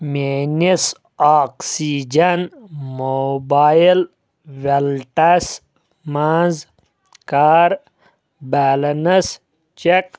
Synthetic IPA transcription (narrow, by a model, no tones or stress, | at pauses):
menis | aːksid͡ʒɐnmobaːjil | ʋelʈɐs | maz | kaːɾ | baːlɐnɐs | t͡ʃek